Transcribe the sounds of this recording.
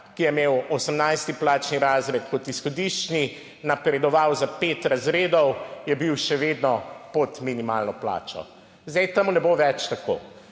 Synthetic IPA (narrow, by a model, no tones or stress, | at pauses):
kijɛmeːwɔsəmnajst̪iplaːt͡ʃniɾaːzɾɛt̪kɔt̪isxɔd̪iʃt͡ʃni | napɾɛd̪ɔʋawzapeːt̪ɾazɾeːd̪ɔwjɛbiwʃɛʋeːd̪nɔpot̪minimalnɔpla̰ːt͡ʃɔ̰ | zd̪ɛjt̪amunɛboʋɛt͡ʃt̪ako̰ː